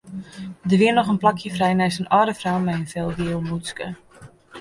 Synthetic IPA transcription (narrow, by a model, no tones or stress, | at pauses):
dəʋiənːɔχənplakʰjəfrɛjnɛjsənɔːdəfrawmɛjənfɛlˠdiəlˠmuskə